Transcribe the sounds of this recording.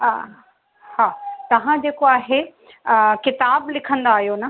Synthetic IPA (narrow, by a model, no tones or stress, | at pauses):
haːt̪ɐʋ̤ãd͡ʑeːkoaːɦe | kɪt̪aːblɪkʰə̃nd̪aːɦijonɐ